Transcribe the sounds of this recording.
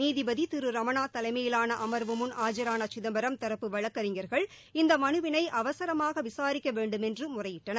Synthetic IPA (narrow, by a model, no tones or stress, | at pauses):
niːðɪbɐðit̪ɪɾɯɾɐmɐnaːt̪ɐlɐɪmɐjɪlaːnɐʔɐmɐɾʋɯmɯnaːd͡ʒɐɾaːnɐt͡ʃɪðɐmbɐɾɐmt̪ɐɾɐpːɯʋɐɻɐkːɐɾɪŋɡɐɾɣɐɭ | ɪnd̪ɐmɐnɯʋɪnɐɪʔɐʋɐsɐɾɐmaːɣɐʋɪsaːɾɪkːɐʋeːɳɖɯmɛndrɯmʊrɐjɪʈːɐnɐ